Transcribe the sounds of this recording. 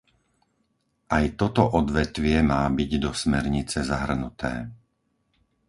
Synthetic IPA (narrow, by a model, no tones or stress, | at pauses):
ʔajt̪ɔt̪ɔʔɔd̪ʋɛt̪ʋɪɛmaːbiɟd̪ɔsmɛɾɲit͡sɛzaɦr̩nut̪ʰɛ̰ː